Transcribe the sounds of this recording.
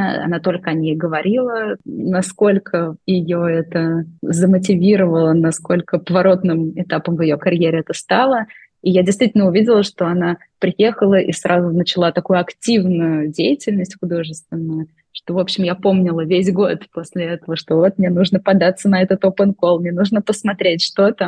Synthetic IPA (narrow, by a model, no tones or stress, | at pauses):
ɐ̰nat̪o̞lʲkəɐnʲejɡəvɐɾʲilˠənɐsko̞lʲkʰəjɪjoɛt̪əzəmət̬ʲɪvʲiɾəvəlˠənɐsko̞lʲkəpəvɐɾo̞t̪nɨmɪt̪apəmvɪjokɐɾʲjeɾʲɪɛt̪əst̪alˠə | ijadʲɪst̪vʲitʲɪlʲnəʊvʲidʲɪlˠəʂt̪o̞ɐna | pɾʲɪje̞xəlˠəʔḭsɾʔazʊnət͡ɕɪlˠat̪ɐkujʊɐktʲivnʊjʊdʲejɪtʲɪlʲnəsʲtʲxʊd̪o̞ʐɨst̪vʲɪnːəjə | ʂt̪o̞vo̞pɕːɪmjapo̞mnʲɪlˠəvʲes̬ʲɡo̞t̪po̞sʲlʲɪɛt̪əvəʂt̪o̞vo̞t̪̚mnʲenuʐnəpɐd̪at̪sːənɐɛt̪ət̪opənko̞lˠmnʲenuʐnəpəsmɐt̪ɾʲetʲʂt̪o̞t̪ə